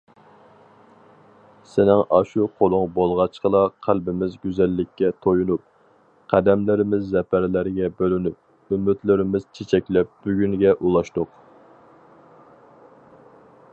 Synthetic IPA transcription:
sɪnɪŋʔɑʃuqʰolˠʊŋbolˠʁɑt͡ʃqəlˠɑqʰælbɪmɪzɡʲyzɛlːɪkʲːɛt̪ʰojunup̚ | qʰæd̪ɛmlɪɾɪmɪzːɛpʰæɾlɪɾɡʲɛbølynyp̚ | ymːɪt̪lɪɾɪmɪz̥t͡ʃʰet͡ʃʰɛkʲlɛp̚b̥yɡʲyŋɡʲɛʔulˠɑʃt̪ʊq

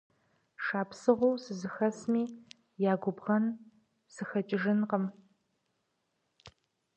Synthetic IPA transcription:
ʂaːpsɨʁʷowsɨzɨxɐsmiː | jaːɡʷʊbʁɐn | sɨxɐt͡ʃʼɪʒɪnqəm

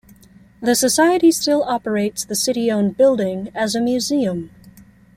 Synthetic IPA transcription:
ðɨsɨsaɪɨɾistɪlˠɑpə˞eɪtsðɨsɪɾiõʊ̃nbɪlˠdɪ̃ŋɨzɨmjʉziɨ̃m

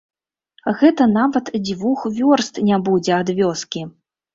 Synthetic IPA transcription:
ɣɛt̪ɐnavɐt̪d͡zʲvuxvʲɔrst̪nʲabud͡zʲɛad̪vʲɔskʲi

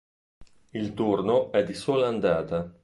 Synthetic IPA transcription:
ilt̪urnoɛd̪ːisoːlaand̪aːt̪a

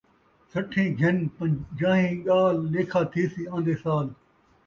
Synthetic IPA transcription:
sɐʈʰːẽːɡʱɪnpə̃d͡ʒaːɦĩːɠaːlːeːkʰaːt̪ʰiːsiːãːnd̪eːsaːl

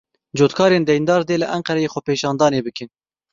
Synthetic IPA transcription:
d͡ʒoːt̪kʰɑːɾeːnd̪ɛjnd̪ɑːɾd̪eːlɨʔæŋqɛɾɛjeːxʷɛpeːʃɑːnd̪ɑːneːbɨkɨn

